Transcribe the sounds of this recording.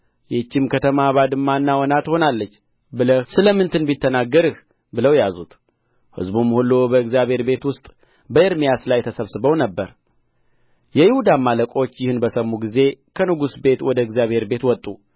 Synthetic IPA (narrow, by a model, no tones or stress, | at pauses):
jɛt͡ʃːɪmkʰət̪ʰəmaβad̪ɨmːanːawɔnat̪ho̞nalːət͡ʃː | bɨləhsɨləmɨnt̪ʰɨnbit̪ʰːənaɡːəɾɨh | bɨləwjazut̪ | hɨ̰zbumːhulːubəɨɡzjaβhe̞ɾbe̞t̪wʊst̪ʼ | bəɨɾmijaslajɛt̪ʰəsəβsɨbəwnəbːəɾ | jɛjɪhud̪amːaləkʼo̞t͡ʃːjɪhɨnbəsəmːuɡize̞kʰənɨɡusbe̞t̪wɔd̪əɨɡzjaβhe̞ɾbe̞t̪wɔt̪ʼːu